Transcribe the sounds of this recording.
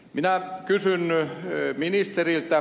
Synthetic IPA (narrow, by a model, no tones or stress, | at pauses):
minækysyn | minist̪erilt̪æ